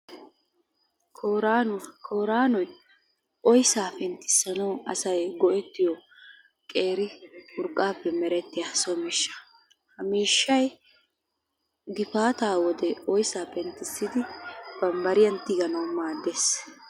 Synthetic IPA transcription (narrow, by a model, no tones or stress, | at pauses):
kʰoɾakʰoːɾaːnɔj | ʔɔjsaːpɛnt̪ːɪ̥sːɐnɐwɐsɐjɡɔʔɛt̪ːɪjɔ | kʼe̞ːɾɪʊɾkʼːaːpːɛmɛɾɛt̪ːɪjasɔmɪʃːɐ̥ | hɐmiːʃːɐj | ɡɪfaːt̪aːwɔd̪ɛɔjsaːpɛnt̪ːɪsːɪd̪ɪb̥ɐmbɐɾɪjɐnt̪ːɪɡɐnɐwmaːd̪ːeːs